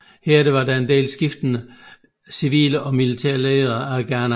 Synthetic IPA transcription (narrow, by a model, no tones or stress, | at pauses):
heɐ̰d̥e̝ʋɑ̈dæe̝nd̥e̝̰ːlsɡ̥ifd̥ənə | siʋḭːləʔɒ̽milit͡sʰɛɐ̰leːðˠɐæɡ̥æɐn